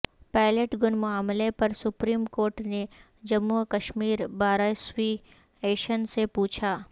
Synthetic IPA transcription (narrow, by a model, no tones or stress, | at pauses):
paːɪleʈɡʊnmʊaːmlepɐɾsʊpɾiːmkoːɾʈne | d͡ʒɐmːukɐʃmiːɾbaːɾajswi | eːʃənsepuːt͡ʃʰaː